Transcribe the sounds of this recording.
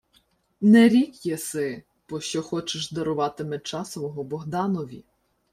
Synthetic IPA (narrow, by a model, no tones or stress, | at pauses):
nɛɾʲikjɛsɪ | bɔʃt͡ʃɔxɔt͡ʃɪʃd̪ɐɾʊʋɑt̪ɪmɛt͡ʃɑsʋɔɦɔbɔɦd̪ɑnɔʋʲi